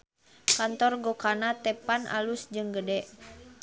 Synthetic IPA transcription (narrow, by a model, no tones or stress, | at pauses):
kant̪ɔrɡokanat̪ɛpanʔa̰lusd͡ʒɨŋɡədɛʔ